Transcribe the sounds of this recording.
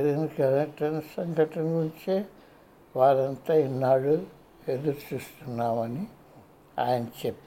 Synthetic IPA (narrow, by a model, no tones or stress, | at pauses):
ɐɾinkɐlɐʈɐnɐsɐŋɡʱɐʈɐnʋuɳt͡ʃe | ʋaːɾɐnt̪ainːaːɽu | ed̪uɾt͡ʃist̪unːaːʋɐni | a̰jɐnt͡ʃepː